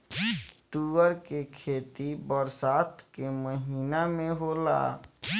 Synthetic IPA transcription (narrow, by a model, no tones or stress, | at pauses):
t̪uəɾkekʰeːt̪ibəɾsaːt̪keməɦiːnamẽɦoːla̰